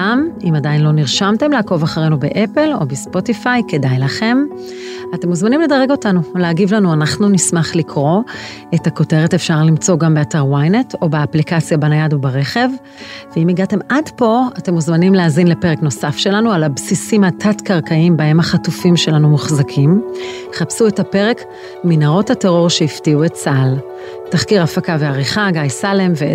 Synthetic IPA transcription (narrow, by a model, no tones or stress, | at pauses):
amimadajinlo̞niʁʃamte̞mlaːko̞vaχaʁejnubeʔepelo̞̰bespo̞tifajke̞dajlaχe̞m | ate̞muzmanimle̞dɐʁeɡo̞tanuleaɡivlanuanaχnunismaχlikʰʁo̞ | e̞tako̞te̞ʁe̞tefʃaʁlimt͡so̞ɡambeataʁwajnetʰo̞beaplikat͡sjabanajadobaʁe̞χe̞v | veimiɡate̞madpo̞ate̞mozmanimleazinlepeʁekno̞safʃe̞lanualabsisimatʰatkaʁkaimbae̞maχatufimʃe̞lanumuχzakʰim | χapsue̞tape̞ʁe̞k | minaʁo̞thateʁo̞ʁʃeiftiuett͡sal | taχkiʁafakaveaʁiχaɡajsalemve